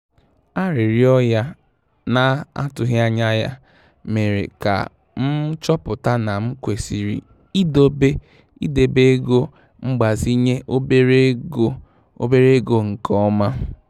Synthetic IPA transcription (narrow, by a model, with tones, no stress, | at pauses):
a˦ɾɪ˨ɾi˦ɔ˦ja˦ | na˨a̰˦tʊ˨ɦɪ˦a˦ɲa˦ja̰˦ | me˨ɾḛ˨ka̰˨ | m̩˦t͡ʃɔ˦pʊ˨ta˦na˨m̩˦kʷe˨si˨ɾḭ˨ | i˦do˦be˦ | ḭ˦de˨be˦ɡo˦ | ŋ͡m̩˦ɡ͡ba˨zi˦ɲe˦ʔo˦be˦ɾe˦ɡo˦ | o̰˦be˦ɾe˦ɡo˦ŋ̩˨kɔ˦ɔ˦ma˦